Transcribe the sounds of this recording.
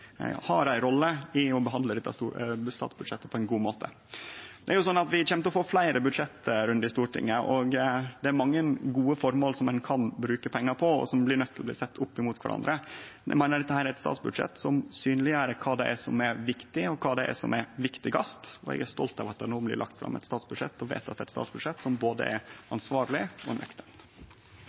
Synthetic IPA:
hɑɾæɪɾɔlːəɪɔbəɦɑnd̪ləd̪ɛt̪ːɑst̪uːst̪ɑ̰ːt̪sbʉd̪ʂɛt̪ːə̥pʰɔɛnɡuːmoːt̪ʰə̰ | d̪ɛæɾjʊsɔnːɑt̪ʋɪçɛmt̪əɔfoːflæɪɾʔəbʉd̪ʂɛt̪ːəɾʉnd̪ɪst̪uːʈɪ̰ŋːənəʔɔɡd̪ɛæɾmɑŋːəɡuːəfɔɾmoːlsɔmɛnkʰɑnbɾʉːkəpʰɛŋːɑɾpʰɔɔ̰sɔmblɪɾɳœt̪ʰːɪlɔblḭːsɛt̪ːʊpːɪmuːt̪kʰʋæ̰ɾɑ̰nd̪ɾəɛ̰mæɪnəɖɛt̪ːəhæːɾæɾɛt̪st̪ɑ̰t̪sbʉd̪ʂɛ̰t̪ːsɔmsyːnlɪəɾəkʰɑːd̪ɛʔæsɔ̰mæɾʋɪkt̪ɪɔkʰɑːd̪ɛʔæ̰sɔ̰mɛɾʋɪkt̪ɪɡɑst̪ɔ̰ɛ̰ɡæɾst̪ɔ̰lt̪ɑʋɑt̪̚ɛnoːblɪ̰ɾɭʔɑ̰kt̪fɾɑ̰mːɛ̰t̪st̪ɑːt̪sbʉd̪ʂɛ̰t̪ːɔʋḛɪt̪ɑt̪d̪ɛæɛt̪st̪ɑ̰ːt̪sbʉd̪ʂɛt̪ːsɔmboːd̪ə̰ʔɛɾɑnsʋɑːɾlɪɔ̰nʔœ̰kt̪ən

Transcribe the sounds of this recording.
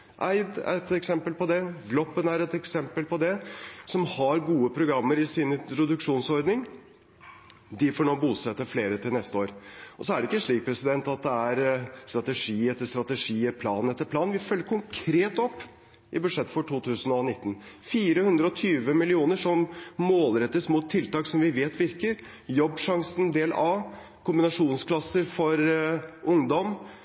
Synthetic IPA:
ʔæ̰ɪd̪æ̰t̪ɛksɛmpəlpɔd̪ɛɡlɔpːənæɾɛt̪ɛksɛmpəlpʰɔd̪ɛsɔmhɑɾɡuːəpʰɾʊɡɾɑmːəɾɪsɪnɪt̪ɾʊd̪ʉkʂuːnsɔɾd̪nɪŋ | d̪ɪfɔːɳoːbuːsɛt̪ːəfleːɾət̪ʰɪlnɛst̪əoːɾʔɔsɔæɖɛɪkːəʂɭiːk̚pʰɾɛsɪd̪ɛnt̪ɑt̪̚d̪ɛæɾst̪ɾɑt̪ɛʂiːɛt̪ːəst̪ɾɑt̪əʂiːɛpʰlɑːn̩ɛt̪ːəpʰlɑːnʋɪfœlːəɾkʰʊŋkʰɾeːt̪ɔpː | ʔɪbʉd̪ʂɛt̪ːfɔʈʰuːt̪ʰʉːsənɔnɪt̪ːn̩fiːɾəhʉnd̪ɾəɔt̪ʰyːʋəmɪlɪuːnəʂɔmmoːlɾɛt̪ːəsmʊːt̪t̪ʰːɪlt̪ɑːksɔmʋɪʋeːt̪ʋɪɾkəɾ | jɔbːʂɑŋsən̩d̪eːlʔɑː | kʊmbɪnɑʂuːnskʰlɑsːəɾfɔɾʔʊŋd̪ɔm

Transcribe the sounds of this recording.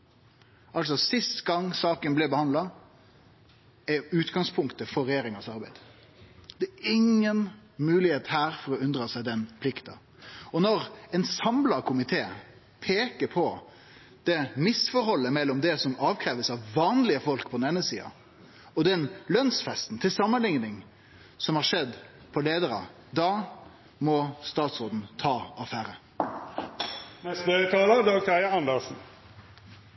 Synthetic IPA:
ʔɑlsɔsɪst̪ɡɑŋsɑːkənblɛbəhɑnd̪lɑ | ɛʉːt̪ɡɑŋspʰʊŋkt̪əfɔɾɛjeːɾɪŋɑsɑɾbæɪd̪̥ | d̪̥ɛæɪŋːənmʉːlɪheːt̪hæːɾfɔɾɔʉnd̪ɾɑsæɪd̪ɛnpʰlɪkt̪ɑ̰ | ɔnɔɾɛnsɑmlɑkʰʊmɪt̪ʰeː | pʰeːkəɾpʰɔ | d̪̥ɛmɪsfɔɾhɔlːəmɛlːɔmd̪ɛsɔmɑːʋkʰɾɛːʋəsɑʋʋɑːnlɪəfɔlkpʰɔd̪nɛːnəsiːɑ̰ | ɔd̪ɛnlœnsfɛst̪n̩t̪ʰɪlsɑmːənlɪŋnɪŋ | sɔmhɑɾʂɛd̪pʰɔleːd̪əɾɑ̰ | d̪ɑ | mɔst̪ɑːt̪sʁoːd̪n̩t̪ʰɑːɑfæːɾə | nɛst̪nœət̪ʰɑːləd̪ɑːɡ̚t̪ʰæɪəɑnd̪əsn̩

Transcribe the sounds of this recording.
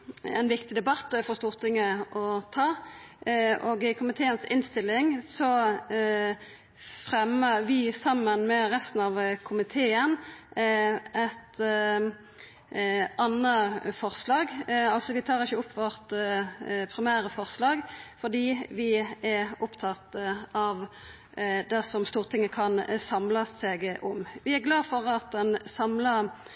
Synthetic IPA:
ɛ̰nʋɪkt̪ɪd̪ɛbɑt̪ːfɔʁst̪uːʁt̪ʰɪŋːəʔɔt̪ʰɑː | ʔoːɡɪkʰʊmɪt̪ʰeːənsɪnst̪ɪlːɪŋsɔ | fʁɛməʁʋɪsɑmːənmɛʁɛst̪n̩ɑʋkʰʊmɪt̪ʰeːən | ɛt̪ | ɑnːəfɔʁslɑːɡɑlsɔʋɪt̪ʰɑːʁɪçːəʊpʰːʋɔʁt̪ | pʰʁɪmæːɾəfɔʁslɑːɡfɔd̪iːʋɪæʊpt̪ʰɑt̪ːəɑʋ | d̪ɛsɔmst̪uːʁət̪ʰɪŋːəkʰɑnsɑmləseɡʔʊmʋɪæɡlɑːfɔʁɑt̪̚d̪ɛnsɑmlə

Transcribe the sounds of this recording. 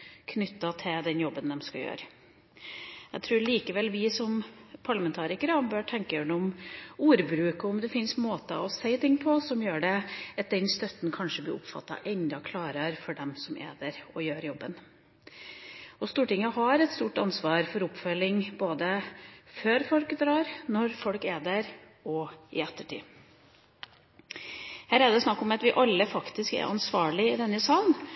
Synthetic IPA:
kʰnʏt̪ːɑt̪ʰɪld̪ɛnjɔbːənd̪ɛmskɑjø̰ːɾə | æt̪ʰɾuːɾɭiːkəʋɛlʋɪsɔmpʰɑɭɑmɛnt̪ʰɑːɾɪkəɾɑbøːʈʰɛŋkəjøːɳəʊmuːɾbɾʉːkɔɔmd̪ɛfɪnsmoːt̪ɑ̰ɔsæɪt̪ʰɪŋːpʰɔsɔmjøːɖɛɑt̪̚d̪ɛnst̪œt̪nkʰɑnʂəblɪ̰ːʊpfɑ̰t̪ːɑ̰ʔɛnd̪ɑkʰlɑːɾɑɾfɔɖɛmsɔmʔḛːd̪əɾɔjøːɾjɔbːən | ɔst̪uːʈɪŋːəɦɑɾɛt̪st̪uːʈɑnsʋɑːɾfɔɾʊpfœlɪŋboːd̪əføːɾfɔlkd̪ɾɑːɾnɔɾfɔlkeːd̪əɾ | ɔɪɛt̪ːəʈḭː | hæːɾæɖ̪ɛsnɑkːɔmɑt̪ʋɪʔɑlːəfɑkt̪ɪskæ̰ɾʔɑ̰nsʋɑːɭɪɪd̪ɛnːəsɑːln

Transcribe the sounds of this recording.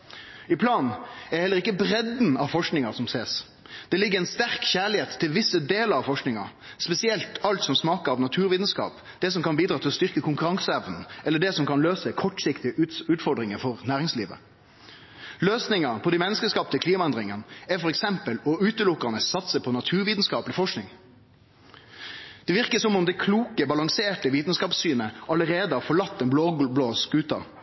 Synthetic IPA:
ɪpʰlɑːnɛhɛlːəʁɪkːəbɾɛd̪n̩ɑʋfɔʂknɪŋɑsɔmseːs | d̪̥ɛlɪɡːəɾɛɪnst̪æʁkçæːɭɪheːt̪ʰːɪlʋɪsːəd̪eːləɾɑʋfɔʂknɪŋɑ̰ | spɛsɪɛlt̪ɑlt̪sɔmsmɑːkəɾɑʋnɑt̪ʰʉːɾʋiːd̪n̩skɑ̰ːp | d̪̥ɛsɔmkɑnbiːd̪ɾɑːt̪ʰɪlɔst̪ʏʁkəkʰʊŋkʉɾɑŋsɛʋnn̩ɛlːəɖɛsɔmkɑnløːsəkʰɔʈːsɪkt̪ɪəʉːt̪fɔɾɖ̪ɾɪŋəfɔʁnæːʁɪŋslḭːʋə̰ | løːsnɪŋɑpʰɔd̪iɪmɛnːəskəskɑpt̪əkʰliːmɑɛnd̪ʁɪŋənɛfɔʁɛksɛmpəlɔʉːt̪əlʊkːɑnəsɑt̪səpʰɔnɑt̪ʰʉːʁʋiːd̪n̩skɑːpəlɪfɔʂknɪŋ | d̪̥ɛʋɪʁkəsɔmʊmd̪ɛkʰluːkəbɑlɑŋseːʈəʋiːt̪n̩skɑːpsyːnəʔɑləɾeːd̪əhɑːɾfɔɭɑt̪ːɛnbloːbloːskʉːt̪ɑ̰

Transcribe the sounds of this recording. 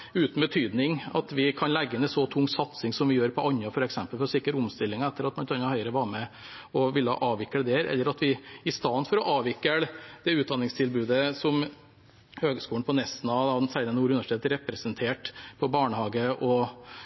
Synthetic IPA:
ʉːt̪n̩bət̪ʰyːd̪nɪŋɑ̰t̪ʋɪkʰɑnlæɡːəɪnɛsɔt̪ʰʊŋːsɑt̪sɪŋsɔmʋɪjøːɾpʰɔʔɑɲːɑfɔɾɛksɛmpəlfɔɾɔsɪkːəɾʊmst̪ɪlːɪŋɑɛt̪ːəɾɑt̪mɑnɛt̪ɑnːɑhœʏəɾəʋɑːɾmɛ | ɔʋɪlːəɑ̰ʔɑːʋɪkːələd̪ɛːɾɛ̰lːəɾɑt̪ʋɪɪst̪ɑnfɔɾɔʔɑːʋɪkːəɽd̪ɛʉːt̪̚d̪ɑnɪŋst̪ʰɪlbʉːd̪əsɔm | høːɡskuːɳn̩pɔnɛsn̩ɑd̪ɑsæɪnənuːɾʉnʋʂɪt̪ʰeːt̪ɾɛpːɾɛsənt̪ʰeːʈpʰɔbɑːɳəhɑːɡəʔɔ

